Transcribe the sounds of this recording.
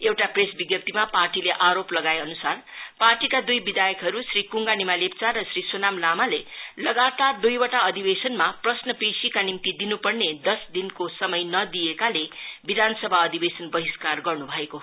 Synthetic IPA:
ewʈapresbiɡjʌpt̪imaparʈileʔaɾoplʌɡaeʌnusarparʈikad̪ujbid̪ajʌkɦʌɾusɾikuŋɡanimalep̚t͡sarʌsɾisonamlamalelʌɡat̪ad̪ujwʌʈaʌd̪ʱibesʌnmaprʌsnʌpesikanimt̪id̪inupʌrned̪ʌsd̪inkosʌmʌjnʌd̪iekalebid̪ʱanʌsʌbʱaʌd̪ibesʌnbʌɦiskarɡʌrnubʱʌeko

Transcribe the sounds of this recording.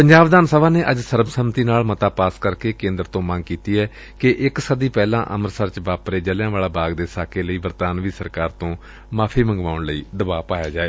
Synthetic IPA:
pəɲd͡ʒaːʋd̪aːnsəʋãːneːʔəd͡ʒsəɾəmsəmt̪iːnaːlmət̪aːpaːskəɾkeːkẽːnd̪ɾt̪õːmə̃ŋɡkiːt̪iːɛː | kɪʔɪksəd̪iːpɛːlã̰ːʔə̰məɾsəɾt͡ʃbaːpɾeːd͡ʒəljãːʋaːlaːbaːɡd̪eːsaːkeːləiːbəɾt̪aːnʋiːsəɾkaːɾt̪õː | maːpʰiːməŋɡʋaːʊɳləḭːd̪əbaːpaːjaːd͡ʒaːeː

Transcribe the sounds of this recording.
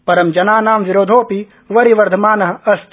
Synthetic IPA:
pɐɾɐmd͡ʒɐnaːnaːmʋiɾoːd̪ʱoːpi | ʋɐɾiʋɐɾd̪ʱɐmaːnɐɦɐɐst̪

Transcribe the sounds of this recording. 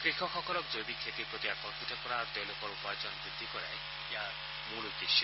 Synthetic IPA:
kɾikʰɔkʰɔkɔɾɔk̚d͡ʒojbikʰet̪ipɾot̪iakɔmpʰiʈɔkɔɾaɾt̪ɔjlokɔɾupajt͡ʃɔnɔbɾid̪ʱːikɔɾae | ja | muɾukeʃɔ

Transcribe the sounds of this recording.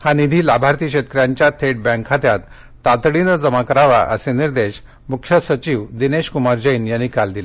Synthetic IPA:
hanid̪ʱiːlabʱaɾt̪iːkɕet̪əkɾjaɲt͡ɕjat̪ʰeʈ̚bɛ̃ŋkʰat̪jat̪ː | at̪ɽinəd͡zəmakəɾaʋa̰ʔə̰seniɾd̪eɕ | mukʰjəsət͡ɕiʋd̪ineɕkumaɾd͡ʑəiːnjanːikald̪ile

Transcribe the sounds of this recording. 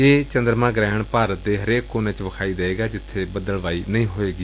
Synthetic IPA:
eːt͡ʃənd̪ɾmãːɡɾɛːəɳpaːɾət̪̚d̪eːɦəɾeːkːoːneːt͡ʃʋəkʰaːiːd̪eeːɡaːd͡ʒɪt̪ʰːeːbəd̪əlʋaːiːnəĩːɦoːeːɡiː

